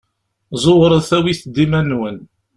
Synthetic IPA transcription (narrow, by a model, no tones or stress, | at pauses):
zˤowɾˤəðθæwiθd̪imænwən